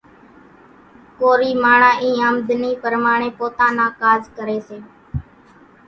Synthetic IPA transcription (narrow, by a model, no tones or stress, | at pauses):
koːɾiːmaːɳãːʔĩːəmd̪niːpəɾmaːɳ̃ẽːpoːt̪ãːnãːkaːzkəɾeːseː